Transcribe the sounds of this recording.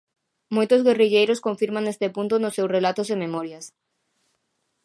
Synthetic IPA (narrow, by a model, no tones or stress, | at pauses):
mojt̪ʊzɣeriʎejɾoskõɱfiɾmãŋest̪epunt̪ʊnʊsːewsrelat̪ʊzememɔɾjɐs